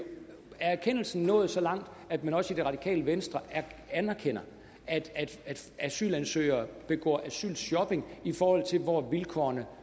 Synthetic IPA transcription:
æɐæɐkʰen̰l̩sn̩nɔ̰̽ːð̞̩ˠsɒ̽lɑ̈ŋ̰d̥æd̥mænɒ̽sid̥e̝ʁɑ̈d̥ikʰɛ̰ːləʋensd̥ʁɐænæɐkʰen̰ɐ | æd̥æd̥æd̥æsy̰ːlænsø̰ɪ̰ɐːb̥e̝ɡ̥ɒ̰ːʔæsy̰ːlsjɒ̽b̥e̝ŋifɒːhɒ̽l̰t͡sʰe̝lʋɒʋilkʰɒ̰ɐnə

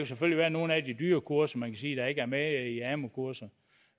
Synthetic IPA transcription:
kʰuseføl̰liʋæːɐno̝ːn̩æd̥id̥yːɐkʰuɐ̰sɐmænkʰæsiːd̥ɑ̈e̝ɡəæɐmeiæmokʰuɐ̰sɐ

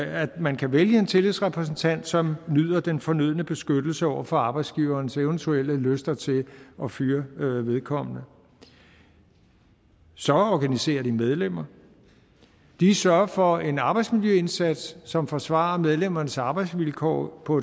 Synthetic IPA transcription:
æ̥mænkʰæʋeljəe̝nt͡sʰe̝liðˠsʁɛpʰʁɛs̬n̩t͡sʰæn̰d̥sɒ̽mnyð̰ˠɐd̥enfɒ̽nyð̞ˠnəb̥e̝sɡ̥ød̥l̩səɒʊ̰ɐfɒ̽ɑ̈ːb̥ɑ̈ɪd̥sɡ̥iːʊɐːnseʊnt͡sʰuel̰əløsd̥ɐt͡sʰe̝ɒ̽fyːɐʋe̝ð̞ˠkʰɒ̽m̰ənə | sɒ̽ɒɡ̥ænise̝̰ːɐd̥imeð̞ˠlem̰ɐ | d̥isɶɐfɒ̽e̝nɑ̈ːb̥ɑ̈ɪd̥smiljøe̝nsæd̥sːɒ̽mfɒ̽sʋɑ̰̈ɐmeð̞ˠlem̰ɐnəsɑ̈ːb̥ɑ̈ɪd̥sʋilkʰɒ̰ːpʰɒ̽

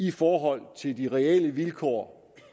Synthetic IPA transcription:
ifɒːɦɒ̽l̰t͡sʰe̝ld̥iʁɛɛləʋilkʰɒ̰ː

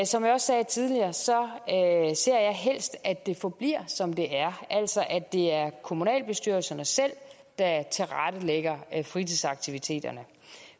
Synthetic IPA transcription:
sɒ̽mjɑɒ̽sːɛːt͡sʰið̞ˠliɐːsɒ̽ | se̝ɐ̰jɑ̈ɪɦel̰sd̥æd̥e̝fɒ̽b̥liɐ̰sɒ̽md̥e̝ʔæɐʔæl̰sɒ̽ʔæ̥e̝æɐkʰo̝munɛ̰ːlb̥e̝sd̥yɐlsɐnəsel̰ | d̥æt͡sʰe̝ʁɑd̥əleɡ̥ɐfʁit͡sʰiðˠsɑ̈ɡ̥̚t͡sʰiʋit͡sʰe̝̰ːd̥ɐnə

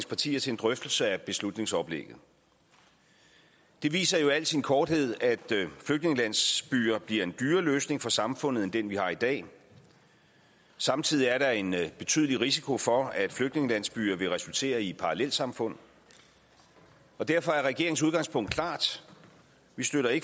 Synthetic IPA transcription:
spʰɑ̈t͡sʰḭːɐt͡sʰe̝end̥ʁœfd̥l̩səæb̥e̝slud̥ne̝ŋsɒ̽b̥lḛɡ̥ð̩ˠ | d̥e̝ʋḭːsɐjo̝æl̰sinkʰɒːd̥he̝ð̞̰ˠæd̥fløɡ̥̚ne̝ŋəlæn̰sb̥y̰ːɐb̥liɐ̰e̝nd̥yːɐløːsne̝ŋfɒ̽sɑ̈mfɔ̽n̰ð̩ˠend̥enʋihɑ̈id̥ɛ̰ː | sɑ̈mt͡sʰið̰ˠiæɐɾɑ̈e̝nb̥e̝t͡sʰy̰ːðˠliʁisikʰo̝fɒ̽æd̥fløɡ̥̚ne̝ŋəlæn̰sb̥y̰ːɐʋe̝ʁɛsult͡sʰe̝̰ːɐipʰɑ̈ʁɑlel̰̥sɑ̈mfɔ̽n̰ð̩ˠ | ɒ̽d̥æɐ̰fɒ̽æɐʁɛɡ̥e̝ɐeŋ̩s̬uð̞ˠɡ̥ɑ̈ŋspʰɔ̽ŋ̰d̥kʰlɑ̰̈ːd̥ | ʋisd̥øɾɐe̝ɡ̥

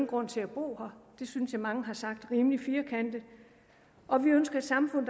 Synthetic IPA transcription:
n̩ɡ̥ʁɔ̽n̰t͡sʰe̝æb̥o̝̰ːhɑd̥e̝synsjɑmɑ̈ŋəɦɑ̈sɑ̈ɡ̥̚d̥ʁiːmlifiːɐkʰæn̰d̥ə | ʔɒ̽ʋiønsɡ̥ɐd̥sɑ̈mfɔ̽n̰ðˠ

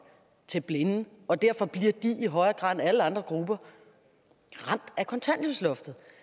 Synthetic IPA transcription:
t͡sʰe̝lb̥le̝n̩ | ɒ̽d̥æɐfɒ̽b̥liɐd̥iʔiɦɒ̽ɪɐɡ̥ʁɑ̰̈ːð̩ˠæləɑ̈nd̥ʁɐɡ̥ʁubɐ | ʁɑ̈m̰d̥ækʰɒ̽nt͡sʰæn̰d̥omslɔ̽fd̥ð̩ˠ

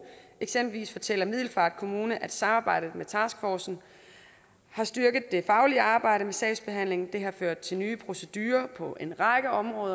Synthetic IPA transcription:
eɡ̥semb̥l̩ʋḭːsfɒ̽t͡sʰel̰ɐmið̰ˠl̩fɑ̈ːd̥̚kʰo̝muːnəʔæd̥sɑ̈mɑ̈ːb̥ɑ̈ɪ̰d̥ð̩ˠmet͡sʰɑ̈ːsɡ̥fɒːsn̩ | hɑ̈sd̥yɐɡ̥ð̩ˠd̥e̝fɑ̈ʊliəɑ̈ːb̥ɑ̈ɪ̰ɾəmesɛɪsb̥e̝ɦæn̰le̝ŋn̩d̥e̝ɦɑ̈føɐ̰d̥̚t͡sʰe̝lnyːpʰʁo̝səd̥yːɐpʰɒ̽ʔe̝nʁɑ̈ɡ̥əɒ̽mʁɔ̽ːðˠɐ

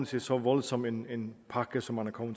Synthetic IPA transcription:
n̩sʰesɒ̽ʋɒlsɒ̽menenpʰɑ̈ɡ̥əsɒmænɐkʰɒʊmə

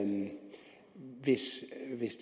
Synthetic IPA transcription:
ʋɪsʋɪsd̥

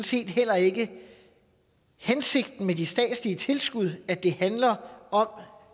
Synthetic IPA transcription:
n̩se̝̰ːd̥hel̰ɐe̝ɡ̥ə | hense̝ɡ̥d̥n̩med̥isd̥ɛ̰ːd̥sliət͡sʰe̝lsɡ̥uð̞ˠæd̥e̝hænlɐɒ̽m

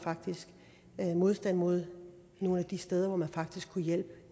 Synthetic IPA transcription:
fɑ̈ɡ̥d̥isɡ̥ | mo̝ð̞ˠsd̥æn̰mo̝ð̞̰ˠ | no̝ːn̩æd̥isd̥eð̞ˠɐʋɒmænfɑ̈ɡ̥̚d̥isɡ̥kʰːujel̰b̥ə

